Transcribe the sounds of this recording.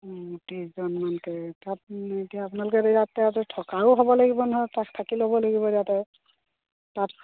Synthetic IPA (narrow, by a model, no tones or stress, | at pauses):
utizɔnmankɛtat̚etiaːpunalʊkɛdzatːɛatɛtʰɔkaʊɦɔbɔlaɡibɔnɔɦɔjtaktʰakilɦɔbɔlaɡibɔdatɛ | tat̚